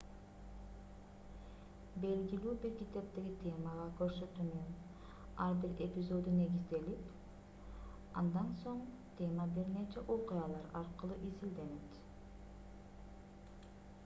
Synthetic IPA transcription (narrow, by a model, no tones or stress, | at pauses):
be̞lɡilyːbiɾkʲit̪ept̪eɡit̪ʲʰe̞mɑʁɑkøɾsø̞t̪ymyn | ɑɾbiɾe̞pʲizo̞d̪une̞ɡizd̪e̞lip | ɑnd̪ɑnso̞ɴ | t̪ʲʰe̞mɑbiɾnet͡ʃɛʔo̞qʊjɑlˠɑɾɑɾqɯlˠuʔizild̪e̞net̪